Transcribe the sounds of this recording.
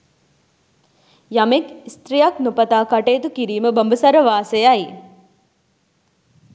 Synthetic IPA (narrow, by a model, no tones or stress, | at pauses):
jɐmekst̪ɾijɐknupɐt̪aːkɐʈeːt̪ukiɾiːməbəmbəsɐɾɐʋaːseai